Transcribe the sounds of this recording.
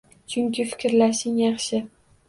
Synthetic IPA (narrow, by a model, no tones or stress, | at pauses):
t͡ʃʰʊŋkʲɪfɪ̥kʲɾlaʃɪŋjɑχʃɪ